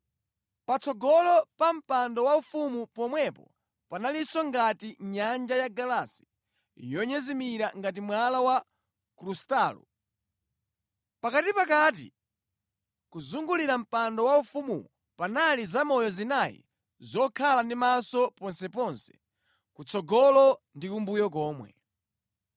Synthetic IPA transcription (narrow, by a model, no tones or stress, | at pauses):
pat͡sʰɔɡɔlɔpam̩pandɔwaufumupɔmwɛpɔ̰ | panalisɔŋɡatiɲand͡ʒajaɡalasi̥ | jɔɲɛzimiɾaŋɡat̬imwalawa | kɾustaːlṵ | pakatipakat̬ḭ | kuzuŋɡuliɾam̩pandɔwaufumṵ | panalizamɔjɔzinajḭ | zɔkʰalandimasɔpɔnsɛpɔnsɛ̥ | kut͡sɔɡɔlɔndikumbujɔk̬ɔːmwɛ̰